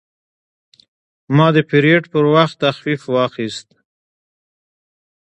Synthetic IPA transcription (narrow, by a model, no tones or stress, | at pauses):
mɑd̪əpiɾeʈpəɾwaxt̪ːaxfifwɑxist̪̚